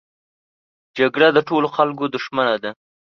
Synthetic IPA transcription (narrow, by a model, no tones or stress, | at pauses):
d͡ʒaɡɽad̪əʈoloxalkod̪ʊʃmanad̪a